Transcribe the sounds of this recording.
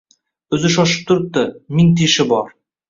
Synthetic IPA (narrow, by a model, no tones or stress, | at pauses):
ɵzɪʃɒʃə̥p̚t̪ʰʊɾp̚t̪ːəmɪŋt̪ʰeʃɪbɒɾ